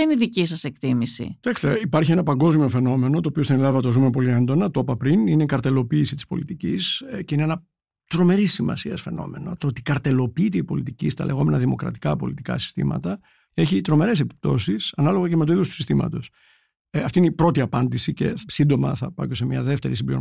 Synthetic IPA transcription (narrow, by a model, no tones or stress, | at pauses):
çɐiniðicisɐsekt̪imisḭt̪ɐksi̥t̪eipɐɾçienɐpɐŋɡo̞zmio̞fe̞no̞me̞no̞t̪oːpiost̪inelɐðɐt̪ozumepo̞liend̪o̞nɐt̪o̞pɐpɾinineikɐɾt̪e̞lo̞piːsit̪i̥spo̞̰lit̪icisceineenɐ | t̪ɾo̞me̞ɾisːimɐ̰siɐsfe̞̰no̞̰me̞no̞̰t̪oot̪i̥kɐɾt̪e̞lo̞piːt̪eipo̞lit̪icist̪ɐ̰le̞ɣo̞me̞nɐðimo̞kɾɐ̰t̪i̥kɐpo̞̰lit̪i̥kɐ̰si̥st̪ḭmɐ̰t̪ɐ | e̞çit̪ɾo̞me̞ɾe̞sepi̥p̚t̪o̞sisɐnɐloɣɐceme̞t̪oiðost̪u̥sist̪imɐ̰t̪o̞s | ɐft̪iineipɾo̞t̪iɐpɐnd̪isice̞̰sind̪o̞mɐ̰θɐpɐ̰cose̞mɲɐðe̞ft̪e̞ɾisimbiɾo̰